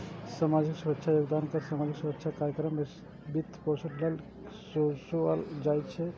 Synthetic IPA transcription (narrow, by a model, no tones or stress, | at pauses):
samad͡ʒiksuɾəkːʃʰajoːɡd̪ankəɾsamad͡ʒiksuɾəkːt͡ʃʰakaɾjəkɾəmːe | bit̪ːpot͡ʃʰəʈʰlel | sosuald͡ʒajt̪t͡ʃʰɛ